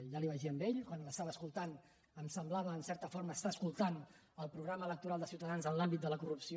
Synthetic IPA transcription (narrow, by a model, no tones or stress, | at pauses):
ʒaliβəʒiəmbeʎkwanləst̪aβəskulˠt̪an | əmsəmblaβəːnsɛɾt̪əfɔɾməːst̪aəskulˠt̪an | əlˠpɾuɣɾamələk̚t̪uɾalˠd̪əsiwt̪əðanzənlambit̪̚d̪ələkurupsio